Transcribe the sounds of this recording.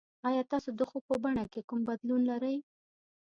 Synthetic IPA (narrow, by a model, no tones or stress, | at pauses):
ɑjɑt̪ɑsod̪əxopəbaɳakekumbad̪lunlaɾəj